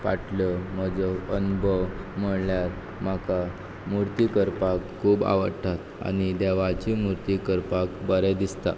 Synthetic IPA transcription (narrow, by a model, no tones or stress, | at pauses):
ʋaʈləm̤əd͡zɔənubʱəʋm̤əɭljaɾ | m̤aka | muɾt̪ikəɾpakkʰːuːba̰ʋəɾʈʰat̪ | a̰ñid̪eʋat͡ɕimuɾt̪ikəɾpakbəɾɛd̪ist̪a̰